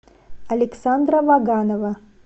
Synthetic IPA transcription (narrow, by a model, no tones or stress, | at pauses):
ɐlʲɪksand̪ɾəvaɡanəvɐ